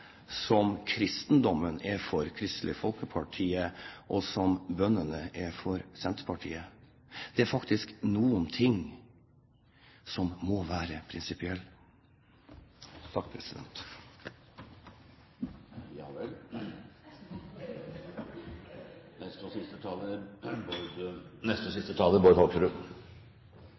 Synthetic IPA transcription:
sɔmkʰɾɪst̪nd̪ɔmənɛfɔɾkʰɾɪst̪lɪfɔlˠkəpʰɑʈʰiːəʔɔsɔmbœnːənəʔɛfɔɾsɛnt̪pʰɑʈʰḭːə | d̪̥ɛæɾfɑkt̪ɪsknuːənt̪ʰɪŋ | sɔmːɔʋæːɾəpʰɾɪnsɪpɪɛlː | t̪ʰɑk̚ːpʰɾɛsɪd̪ɛ̰nt̪ | jɑ̰ːʋɛl | nɛst̪ɔsɪst̪ət̪ʰɑːlə | nɛst̪ɔsɪst̪ət̪ʰɑːləbɔɾhoksɾʉ

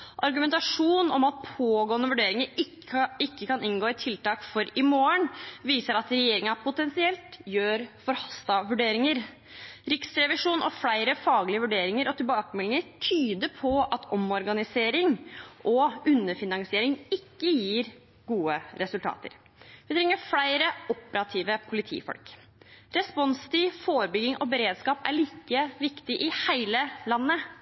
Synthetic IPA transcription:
ʔɑɾɡʉmɛnt̪ɑʂuːnɔ̰mɑt̪̚pʰoːɡoːənəʋʉɖeːɾɪŋəɾɪ | ɪkːəkʰɑnɪŋɡoːɪt̪ʰɪlt̪ɑːkfɔɾɪmoːəɳʋiːsəɾɑt̪ɾɛjeːɾɪŋɑpʰʊt̪ɛnsɪɛlt̪jøːɾfɔɾhɑst̪ɑʋʉɖeːɾɪŋəɾ | ɾɪksɾɛʋɪʂuːnʔɔ̰fɽæɪɾəfɑːɡlɪəʋʉɖeːɾɪŋəɾɔt̪ʰɪlbɑːkəmɛlːɪŋəɾʈ̪ʰyːd̪əpʰɔɑt̪ʰɔmɔɾɡɑnɪseːɾɪŋʔɔʉnːəfɪnɑŋsɪeːɾɪŋɪkːəjiːɾ | ɡuːəɾɛsʉlt̪ɑ̰ːt̪ə̰ɾ | ʋɪt̪ʰɾɛŋːəɾfɽæɪɾəʔɔpəɾɑt̪ʰiːʋəpʰʊlɪt̪ʰḭːfɔ̰lk | ɾɛspɔnst̪ʰɪfoːɾbʏɡɪŋʔɔbəɾeːd̪skɑːpæ̰ɭiːkəʋɪkt̪ɪʔɪhæɪləlɑnːə

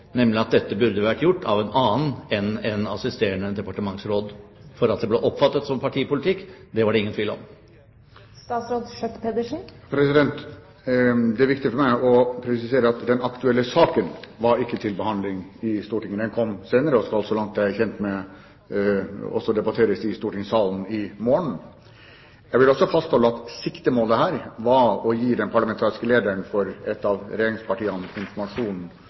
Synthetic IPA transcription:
nɛmlɪɑt̪̚d̪ɛt̪ːəbʉɾd̪əʋæʈːjʊʈːɑʋɛnɑːn̩ɛnɛnɑsɪst̪eːəɳəd̪ɛpɑʈəmɑŋsɾoːd̪fɔɾɑt̪̚d̪ɛbleːʔɔpːfɑt̪ːət̪sɔmpʰɑʈʰiːəpʊlɪt̪ʰɪkːd̪ɛʋɑɖɛɪŋːənt̪ʋiːlɔ̰m | st̪ɑːt̪sɾoːd̪ʃœt̪əpʰɛd̪əʂn̩pʰɾɛsɪd̪ɛnt̪ | d̪ɛæɾʋɪkt̪ɪəfɔɾmæɪɔpʰɾɛsɪseːɾəɑt̪d̪ɛnɑkt̪ʉɛlːəsɑːkənʋɑɾɪkːət̪ʰɪlbəhɑnd̪lɪŋɪst̪uːʈɪŋːəd̪ɛnkʰɔmːseːnəɾəɔskɑlsɔlɑŋt̪̚d̪ɛææɾçɛnt̪mɛ | ɔ̰sɔd̪ɛbɑt̪ʰeːɾəsɪst̪uːʈɪŋsɑːln̩ɪmoːɳɳ̩ | jæɪɡʋɪlɔsɔfɑst̪hɔlːəɑt̪sɪkt̪əmoːld̪ɛɦæːɾʋɑɔjiːd̪ɛnpʰɑɾɭɑmɛnt̪ʰɑːɾɪskəleːd̪əɳfɔɾɛt̪ːɑʋɾɛjeːɾɪŋspʰɑʈiːɑnɪnfɔɾmɑʂuːnn̩

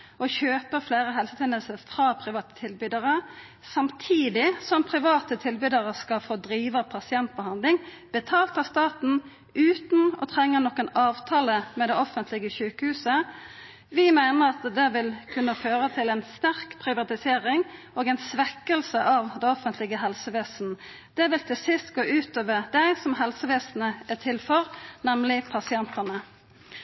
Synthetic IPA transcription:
ʔɔçøːpəfleːɾəɦɛlsət̪ʰɛnəlsəfʁɑːpʰɾɪʋɑːt̪ə̥t̪ʰɪlbʏd̪əʁə | sɑmt̪ʰiːd̪ɪsɔmpʰʁɪʋɑːt̪ət̪ʰɪlbyd̪əʁəskɑlfoːd̪ɾiːʋəpʰɑsɪɛnt̪̚bəhɑnd̪lɪŋ | b̥ət̪ʰɑːlt̪ɑst̪ɑːt̪n̩ | ʉːt̪n̩ɔ̰t̪ʰʁɛŋːənɔkːənɑːʋt̪ʰɑːləmɛd̪ɛɔfənt̪ʰlɪɡəʃʉːkəhʉːsə | ʋɪmæɪnəʁɑt̪d̪ɛʋɪlkʰʉnːəføːʁət̪ʰɪlɛɪnst̪æʁkpʰʁɪʋɑt̪ɪseːɾɪŋ | oːɡɛɪnsʋɛkːəlsəʔɑʋd̪ɛɔfənt̪ʰlɪɡəɦɛlsəʋeːsn̩ | d̪̥ɛʋɪlt̪ʰɪlsɪst̪ɡoːʔʉːt̪øːʋəʁd̪æɪsɔmɦɛlsəʋeːsn̩əæt̪ʰɪlfɔʁnɛmlɪpʰɑsɪɛnt̪ənə

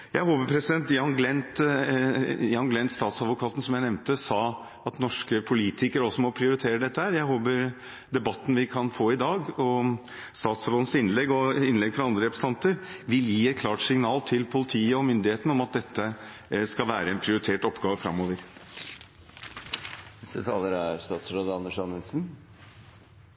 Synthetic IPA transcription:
jæɪɦoːbəpʰɾɛsɪd̪ɛnt̪jɑnɡlɛnt̪ | jɑːnɡlɛnt̪st̪ɑːt̪sɑd̪ʋʊkʰɑːt̪n̩sɔmjæɪnɛmnt̪əsɑː | ɑt̪nɔʂkəpʰʊliːt̪ʰɪkəɾɔsɔmɔpʰɾɪʊɾɪt̪ʰeːɾəd̪ɛt̪ːəhæːɾjæɪɦoːbəɾ | d̪ɛbɑt̪ːn̩ʋɪkʰɑnfoːɪd̪ɑːɡɔ | st̪ɑːt̪sɑʋ̪oːn̩sɪnlɛɡːɔɪnlɛɡfɾɑɑnd̪ɾəɾɛpɾəsɑnt̪əɾʋɪljiːɛt̪̚kʰlɑːʈsɪŋnɑːlt̪ʰɪlpʰʊlɪt̪ʰiːəɔmʏnd̪ɪheːt̪ənəɔmɑt̪̚d̪ɛt̪ːə | skɑʋæːɾəɛnpʰɾɪʊɾɪt̪ʰeːʈɔpːɡɑːʋəfɾɑ̰mːoːʋəɾ | nɛst̪ət̪ʰɑːləɾæɾst̪ɑːt̪sɾoːd̪ɑnəʂɑnːəlsn

